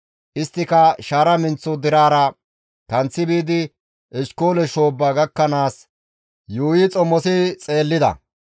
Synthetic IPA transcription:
ʔɪst̪ːɪkɐʃaːɾɐmɪnt͡sːɔd̪ɪɾaːɾɐ | kɐnt͡sːɪbiːd̪ɪ | ʔɪʃkoːlɛʃo̞ːbːaɡɐkːɐnaːs | juːjɪt͡sʼɔmɔsɪt͡sʼe̞ːlːɪd̪ɐ̰

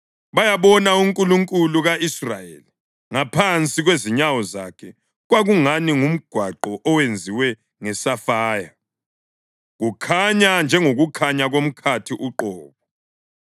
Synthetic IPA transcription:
βajaβɔnauŋkʼuluŋkʼuluɣaʔisrajeli | ŋapʰant͡sʼiɣweziɲawɔzakʰɛ | ɣwaɣuŋaniŋum̩ɡ̥ʱwaǃɔʔɔwend͡zʱiwɛ | ŋɛsafaːja | ɣukʰaɲand͡ʒʱɛŋoɣukʰaɲaɣom̩kʰatʰiʔuǃɔːβɔ

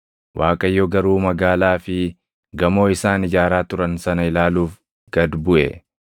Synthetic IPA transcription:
wʔaːkʼɐjːoɡɐɾuːmɐɡaːlaːfɪ | ɡɐmo̞ːɪsaːnɪd͡ʒaːɾaːt̪ʊɾɐnsɐnɐɪlaːluːf | ɡ̥ɐd̪bʊʔɛ

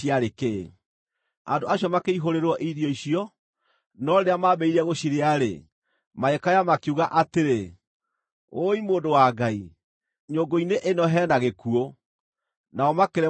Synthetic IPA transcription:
iaɾeke | andoaɕjɔmakeiɦoɾeɾwɔʔiðjɔiɕiɔ | nɔɾeɾeamaːbɛiɾɛɣoɕiɾeaɾḛ | maɛkajamakiuɣaʔateɾe | oimoːndowaːɡai | ɲoɡoineʔenɔɦɛːnaɣekuo | naɔmakeɾɛ

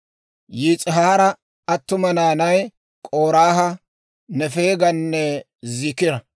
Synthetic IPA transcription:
jiːt͡sʼɪɦaːɾɐ | ɐt̪ːʊmɐnaːnɐj | kʼo̞ːɾaːɦɐ | nɛfe̞ːɡɐnːɛ | zɪkɪɾɐ

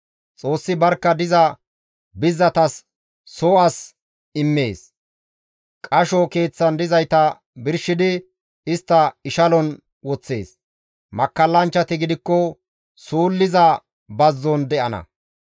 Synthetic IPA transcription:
t͡sʼo̞ːsːɪbɐɾkːɐd̪ɪzɐ | bɪzːɐt̪ɐsː | oːʔɐs | ɪmːe̞ːs | kʼɐʃɔke̞ːt͡sːɐnd̪ɪzɐjt̪ɐ | bɪɾʃɪd̪ɪ | ɪst̪ːɐɪʃɐlɔn | wɔt͡sːe̞̰ːs | mɐkːɐlːɐnt͡ʃːɐt̪ɪɡɪd̪ɪkːɔ | suːlːɪzɐ | bɐzːɔnd̪ɛʔɐnɐ̰

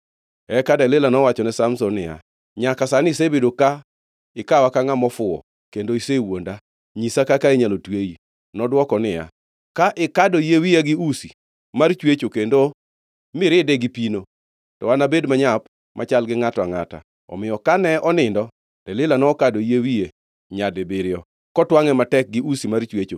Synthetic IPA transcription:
ɛkadɛlɪlanɔwat͡ʃɔnɛsamsɔnɪ̰ja̰ | ɲakasanɪsebedoka | ɪkawakaŋamɔfʊɔ̰ | kendoisewonda | ɲisakakaiɲalotweji | nɔdwɔkɔnɪja̰ | kaʔɪkadɔjewijaɡɪusi | mart͡ʃwet͡ʃokendo | mɪɾɪdɛɡɪpino | tɔanabedmaɲap | mʔat͡ʃalɡɪŋataŋata̰ | ɔ̰mɪjɔkanɛʔɔnɪndɔ | tɛlɪlanɔkadojewie | ɲadebɪɾɪɔ | kɔtwaŋɛmatɛk̚ɡɪusimart͡ʃwet͡ʃo

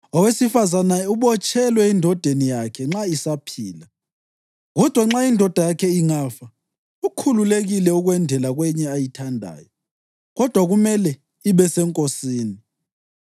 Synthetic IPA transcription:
ɔwesifazanauβɔt͡ʃʼɛlwɛindʱɔd̥ʱenijakʰɛŋ͡ǁaisapʰiːla | ɣɔd̥ʱwaŋ͡ǁaindʱɔd̥ʱajakʰɛiŋafa | ukʰululeɣilɛuɣwɛndʱɛlaɣwɛɲɛajitʰandʱa̰ːjɔ | ɣɔd̥ʱwaɣumɛlɛ | iβɛsɛŋkʼosiːni

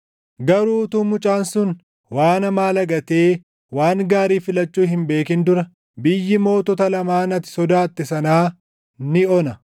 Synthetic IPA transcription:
ɡɐɾuːt̪ʊmʊt͡ʃʼaːnsʊn | waːnɐmaːlɐɡɐt̪e̞ː | waːŋɡaːɾiːfɪlɐt͡ʃːuːɦɪmbe̞ːkɪnd̪ʊɾɐ | bɪjːɪmo̞ːt̪ɔt̪ɐlɐmaːnɐt̪ɪ̥sɔd̪aːt̪ːɪsɐnaː | nɪɔnɐ

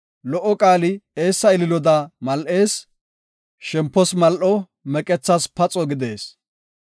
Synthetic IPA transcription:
lɔʔːɔkʼaːlɪe̞ːsːɐɪlɪlɔd̪ɐmɐlʔe̞ːs | ʃɛmpːɔsmɐlʔɔ | mɛkʼɛt͡sːɐspɐt͡sʼɔɡɪd̪e̞ːs

